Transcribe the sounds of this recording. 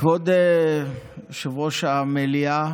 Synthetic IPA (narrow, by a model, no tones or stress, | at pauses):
vod̪e | ʃavoʃamelia